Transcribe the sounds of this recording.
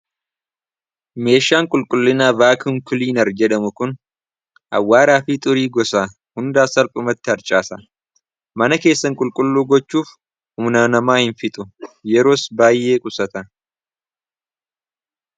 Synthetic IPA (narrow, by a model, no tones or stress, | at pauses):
me̞ːʃaːŋkʼʊlkʼʊlːɪnaːvaːkŋkʊliːnɐɾd͡ʒɛᶑɐmʊkʊn | ʔɐ̰wːaːɾaːfiːt̪ʼʊɾiːɡɔsaː | hʊnd̪aːsɐlpʼʊmɐt̪ːɪɐɾt͡ʃʼaːsɐ | mɐnɐke̞ːsːɐŋkʼʊlkʼʊlːuːɡɔt͡ʃːuːf | hʊmnanɐmaːhɪnfɪt̪ʼʊjɛɾo̞ːsbaːjːe̞ːkʼʊsɐt̪ɐ